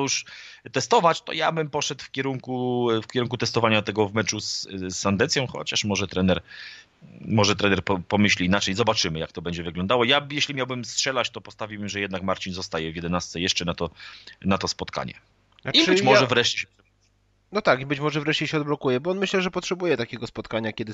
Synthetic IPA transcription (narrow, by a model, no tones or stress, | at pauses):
ɔjuʂt̪ɛst̪ɔvat͡ɕt̪ɔ̰jabɘmpɔʂɛt̪fkʲɛɾuŋkufkʲɛɾuŋkut̪ɛst̪ɔvaɲat̪ɛɡɔvmɛt͡ʂuszand̪ɛnsʲjɔ̃w̃xɔ̰t͡ɕaʂmɔʐɛt̪ɾɛnɛɾ | mɔʐɛt̪ɾɛnɛɾpɔpɔmɘɕlʲiːnat͡ʂɛjzɔbat͡ʂɘmɘjak̚t̪ɔbɛɲd͡ʑɛvɘɡlɔnd̪awɔjajɛɕlʲimʲjawbɘmstʂɛlat͡ɕt̪ɔpɔst̪avʲiwbɘmʐɛjɛd̪nakmaɾt͡ɕinzɔst̪ajɛvʲjɛd̪ɛnast̪sɛjɛʂt͡ʂɛnat̪ɔnat̪ɔspɔt̪kʰa̰ɲɛ̰ | ibɘt͡ɕmɔɛvɾɛʂt͡ɕɛɕt̪ | nɔt̪akibɘt͡ɕmɔʐɛvɾɛʂt͡ɕɛɕɛɔd̪̚blɔkujɛbɔɔnmɘɕlɛʐɛpɔtʂɛbujɛt̪akʲɛɡɔspɔt̪kaɲakʲɛd̪ɘ